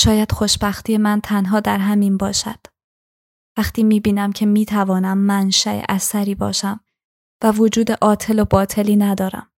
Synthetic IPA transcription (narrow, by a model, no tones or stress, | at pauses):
ʃɒːjæd̪̥xo̞ʃbæxt̪ʰiːje̞mænt̪ʰænɦɒːd̪æɾɦæminbɒːʃæ̰d̪̥ | væxt̪ʰiːmiːbiːnæmcʰe̞miːt̪ʰævɒːnæmːænʃæʔḛʔæsæɾiːbɒ̰ːʃæm | vævod͡ʒuːd̪e̞ʔɒːt̪ʰe̞lobɒːt̪ʰe̞liːnæd̪ɒːɾæ̰m